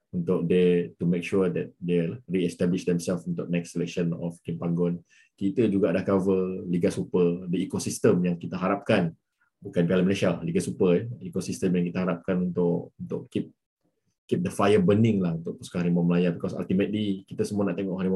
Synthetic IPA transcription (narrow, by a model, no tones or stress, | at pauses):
unt̪ʊk̚d̪et̪umek̚ʃud̪ɛt̪̚delariɛst̪ɛbliʃd̪ɛmsɛlfunt̪ʊʔ̚nɛksɛlɛk̚ʃənɔ̰fkimpaŋɡɔn | kit̪əd͡ʒuɡaʔadahkavəliɡasupədəikosist̪əmjaŋkit̪əɦaɾap̚kan | bukanpalaməleʃaliɡasupəɛikosist̪əmjaŋkit̪əɦaɾap̚kanunt̪ʊʔunt̪ʊʔkip̚ | kip̚d̪əfajəbənɪ̃ŋlahunt̪ʊʔ̚puskahaɾimɔməlajabikɔsa̰lt̪imət̪̚likit̪əsəmuanaʔt̪eŋɔʔhaɾimɔ